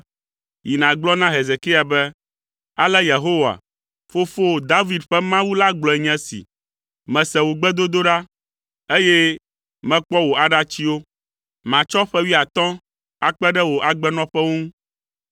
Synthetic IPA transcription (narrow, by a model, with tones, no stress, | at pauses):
ji˨nã˨ɡ͡blɔ˦nã˦ɦe˨ze˨ki˦a˨bɛ˦ | a˨lɛ˦je˨ɦo˦wa̰˨ | fo˦fo˦˨d̪a˦vi˨dɸɛ˦mã˦wu˦la˦ɡ͡blɔ˨ɛ˨ɲɛ̃˦sḭ˨ | mɛ̃˨sɛ˨wo˨ɡ͡bɛ˦d̪o˦d̪o˦ɖa˦ | e˦je˦ | mɛ̃˦k͡pɔ˦wo˨a˨ɖa˦t͡ɕi˦wo˦ | mã˨t͡ʃɔ˦ɸɛ˦wi˦a˨t̪ɔ̃˦ | a˨k͡pɛ˦ɖɛ˦wo˨ʔa˨ɡ͡bɛ˦nɔ̃˦ɸɛ˦wo˦ŋũ˦